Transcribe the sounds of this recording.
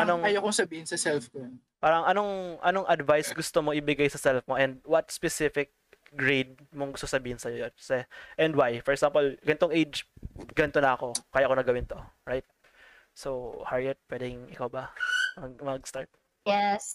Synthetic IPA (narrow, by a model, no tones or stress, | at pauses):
ʔɐnoŋɐjokʊŋsɐbiːhɪnsɐsɛlfkon | paːɾɐŋʔɐno̞ŋʔɐnoŋʔɐd̪vajsɡʊst̪omoʔɪbɪɡajsɐsɛlfmoʔɛnd̪̚wɐt̪̚spɛsɪfɪk̚ | ɡɹejd̪̚ | moŋɡʊst̪oŋsɐbiːhɪnsɐjojonkɐ̥sɛʔɛnd̪wajfɔɹɛɡsampolɡɐnɪt̪oŋʔejd͡ʒɡɐnt̪onɐɐko̞kaːjaʔɐkonɐɡɐwɪnt̪o̞ɹajt̪̚ | sowhaɹɛt̪̚pwɛd̪ɛŋɪkawbɐmɐɡmɐɡst̪aɹt̪̚ | jɛs